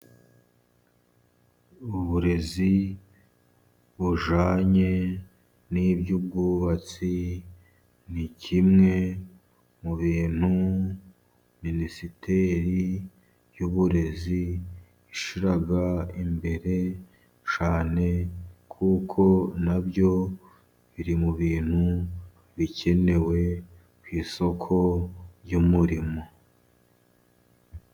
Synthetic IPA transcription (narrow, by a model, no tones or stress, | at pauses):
uβuɾe̞zi | βuʒaːɲe̞ | nibɟub̚ɡuβat͡si | nicʰimŋe̞ | muβiːn̥hu | minisitʰe̞ɾi | juβuɾe̞ziː | ʃiɾaɡaimbe̞ɾe̞ | t͡ʃaːne̞kʰuːkʰo̞nabjo̞ | βiɾimuβiːn̥hu | βicʰe̞ne̞we̞ | kwiːso̞kʰo̞ɾjuːmuɾimo̞